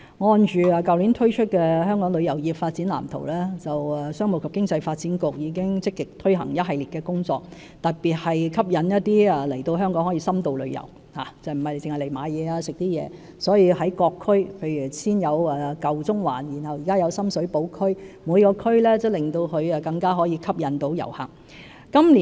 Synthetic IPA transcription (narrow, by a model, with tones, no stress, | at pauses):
ŋɔː˧nt͡ʃyː˨˩aː˨˧kɐ˨wli˨˥nt̪ʰɵ˥ɥt͡ʃʰɵ˥t̚kɛː˧ɦœː˥ŋkɔː˨˥ŋlɵ˨˧ɥjɐ˨˩wjiː˨˩p̚faː˧t̚t͡siː˨˥nla̰ː˨˩mt̪ʰo̰˨˩wlɛː˥t͡sɐ˨wːsœː˥ŋmo˨˩kʰɐ˨p̚kɪ˥ŋt͡sɐ˧jfaː˧t̚t͡siː˨˥nkʊ˨k̚jiː˨˧kɪ˥ŋt͡sɪ˥kːɪ˨k̚t̪ʰɵ˥ɥɦɐ̰˨˩ŋjɐ˥t̚ɦɐ˨jliː˨t̚kɛː˧kʊ˥ŋt͡sɔː˧k̚ | t̪ɐ˨t̚piː˨˩t̚hɐ˨jkʰɐ˥p̚jɐ˨˥njɐ˥t̪̚iː˥ɐ˨lɐ˨˩jt̪o˧wɦœː˥ŋkɔː˨˥ŋhɔː˨˥jiː˧sɐ˥mt̪o˨˧wlɵ˨˧ɥjɐ̰˨˩w | haː˨˩t͡sɐ˨m̩˨˩hɐ˨jle˧jt͡sɪ˨ŋhɐ˨jle˨˩jmaː˨˧jjɛː˨˧aː˧sɪ˨k̚t̪iː˥jɛ̰ː˨˧ | sɔː˨˥jiː˧hɐ˨˥jkɔː˧kʰːɵ˥ɥpʰe˨˧jɥy˨˩siː˥njɐ˨˧wɛː˨kɐ˨wt͡sʊ˥ŋwaː˨˩njiː˨˩nhɐ˨wjiː˨˩kaː˥jɐ˨˧wsɐ˥msɵ˨˥ɥpo˨˥wkʰɵ˥ɥmuː˨˧jkɔː˧kʰɵ˥ɥlɛː˥t͡sɐ˥˨˩wlɪ˨˩ŋt̪o˧wkʰɵ˧ɥɛ˧kɐ˧ŋkaː˥ɦɔː˨˥jiː˨˧kʰɐ˥p̚jɐ˨˥nt̪o˨˥wjɐ̰˨˩wha̰˨˩ŋ | kɐ˥mliː˨